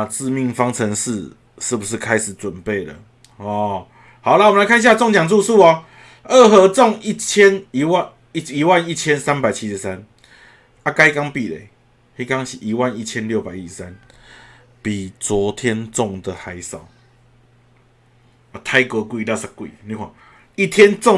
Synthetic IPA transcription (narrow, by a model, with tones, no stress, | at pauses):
na˧t͡sɹ̩˥˧mi˥˧ŋfɑ˦ŋt͡sʰə˧˦ŋʂ̩˥˧ | ʂɻ̩˥˩bu˨˩ʂ̬ɻ̩˥˩kʰa˦ɪʂɻ̩˨˩t͡swə˨˩npe˥˩ɪdə̰˩ | ɔ˥˨˩ | ha˨˩ʊla˨mənla˧˦kʰa˥˧ni˧ɕja˥˧t͡sɔ˥˨ŋt͡ɕja˨˩ŋt͡su˥˧su˥˩ɔ˨ | ə˥˩ɦɤ˧˦t͡sɔ˥˨ŋi˥˨t͡ɕʰjɛ˦ni˧˦wa˥˨ | i˨i˨˦wa˥˧˨ni˥˨t͡ɕʰjɛ˦˥nsa˦npa˨ɪt͡ɕʰi˦ʂ̩˨˩˦sa˦n | a˦ka˧˦ɪka˦ŋpi˨lḛ˨˦ | hi˦ka˦ŋɕi˨ʔi˨˦wa˥˨ni˥˩t͡ɕʰjɛ˦nljo˥˨ʊpa˨ɪi˦˩ʂ̩˨˩sa˦n | pi˨˩t͡swɔ˨˦t̪ʰjɛ˦nt͡sɔ˥˨ŋd̪ə˨xa˨˦ɪsa˨˩˦ʊ | a˧t̪ʰa˥˧ɪkə˨˧˦kwi˥˧la˥˧sa˧˩kwḭ˨nĩ˧kʷwa˨˩n | i˦˩t̪ʰjɛ˦nt͡sɔ˥˨